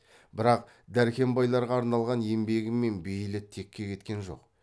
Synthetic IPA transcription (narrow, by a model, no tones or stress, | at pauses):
bɪɾɑq | d̪æɾkʲʰe̞mbɑjlˠɑɾʁɑːɾnɑlˠʁɑne̞mbe̞ɡʲɪmːe̞nbejlɪt̪ʰe̞kʲːe̞kʲʰe̞t̪kʲe̞nʒo̞̰q